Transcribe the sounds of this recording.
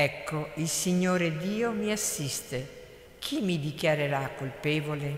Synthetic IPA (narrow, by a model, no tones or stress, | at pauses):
ɛkːoilsiɲːoːɾed̪iːomiasːist̪e | kʰimid̪ikjaɾeɾakːolpeːvole